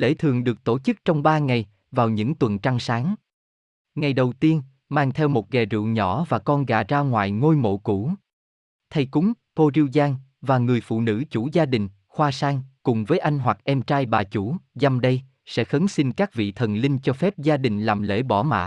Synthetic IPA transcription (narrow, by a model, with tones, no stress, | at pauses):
lḛ˧˥t̪ʰɨ˨˩əŋɗɨ˨˩ək̚t̪o˧˩t͡ɕɨ˦˥k̚t͡ɕɔ˧wŋ͡mɓaː˧ŋa˨˩j | vaː˨˩wɲɨ̰˧˥ŋt̪wə˨˩nt͡ɕa˧ŋsaː˨˦ŋ | ŋa˨˩jɗə˨˩wt̪i˧ən | maː˧ŋt̪ʰɛ˧wmo˨˩t̚ɣɛ˨˩zɨ̰˧˨wɲɔ̰˧˩˥vaː˨˩kɔ˧nɣa̰ː˧˨˩zaː˧ŋwa̰ː˧˨jŋo˧jmo̰˧˨ku˧˩ | t̪ʰa˧jkʊ˨˦ŋ͡m | ko˧zi˧wzaː˧ŋ | vaː˨˩ŋɨ˨˩əjfṵ˧˨nɨ̰˧˥t͡ɕu˧˥zaː˧ɗï˨˩ŋ̟ | xwaː˧saː˧ŋkʊ˨˩ŋ͡mvəː˨˦jʔa˧jŋ̟ɦwa˨˩k̚ʔɛ˧mt͡ɕaː˧jɓaː˨˩t͡ɕu˧˩za˧mɗə˧j | sɛ̰˧˥xə˨˦nsi˧nkaː˦˥k̚vḭ˧˨t̪ʰə˨˩nlï˧ŋ̟t͡ɕɔ˧fɛ˦˥p̚zaː˧ɗï˨˩ŋ̟laː˨˩mlḛ˧˥ɓɔ˧˩ma̰ː˧˨